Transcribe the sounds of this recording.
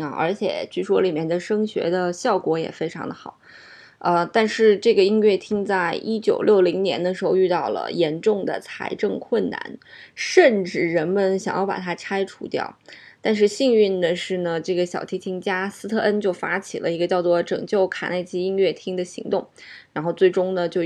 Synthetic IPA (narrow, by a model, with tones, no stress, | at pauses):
ʔə̰˞˧˥t͡ɕʰjɛ̰˨˩t͡ɕʰy˥˩ʂwɔ̰˥li˨˩mjɛ˥˩nd̪ə˨ʂɤ˥ŋɕɥɛ̰˧˥d̪ə˧ɕjɑ˥˩ʊkwɔ˧˥jɛ̰˨˩fe˥ɪʈ͡ʂʰɑ̰˧˥ŋd̪ə˧xɑ̰˨˩˦ʊ | ə˧t̪a˥˧nʂɻ̩˥˧ʈ͡ʂɤ˥˩ɡə˩i˥nɥɛ˥˩t̪ʰi˥ŋt͡sa˥˩ɪʔi˥t͡ɕjo˨˩ʊljo˥˩ʊli˧˥ŋnjɛ̰˧˥nd̪ə˧ʂɻ̩˧˥xo˥˧ʊy˥˧t̪ɑ˥˩ʊlə̰˩jɛ˧˥nʈ͡ʂʊ˥˩ŋd̪ə̰˩t͡sʰa̰˧˥ɪʈ͡ʂɤ˥˧ŋkʰwə˥˩nna̰˧˥nʂə˥˧nʈ͡ʂɻ̩˥˩ɻə˧˥nmə˨nɕjɑ˨˩ŋjɑ˥˩ʊpa̰˨˩t̪ʰa˥ʈ͡ʂʰa˥ɪʈ͡ʂʰṵ˧˥t̪jɑ̰˥˩ʊ | t̪a˥˧nʂ̬ɻ̩˥˧ɕi˥˧ŋy˥˩nd̪ə˩ʂɻ̩˥˩nə˩ʈ͡ʂɤ˥˩ɡə˩ɕjɑ˨˩ʊt̪ʰi˧˥t̪ʰi˧˥ŋt͡ɕja˥sɹ̩˥t̪ʰɤ˥˩ʔə˥nt͡ɕjo˥˩ʊfa˥t͡ɕʰḭ˨˩lʔə̰˦i˧˥ɡə˧t͡ɕjɑ˥˧ʊt͡swɔ˥˩ʈ͡ʂɤ̰˨˩ŋt͡ɕjo˥˩ʊkʰa̰˨˩na˥˩ɪt͡ɕi˥i˥nɥɛ˥˩t̪ʰi˥ŋd̪ə˨ɕḭ˧˥ŋt̪ʊ˥˩ŋ | ɻa˧˥nxo˥˧ʊt͡swe˥˩ɪʈ͡ʂʊ˥ŋnə˨t͡ɕjo˥˧ʊ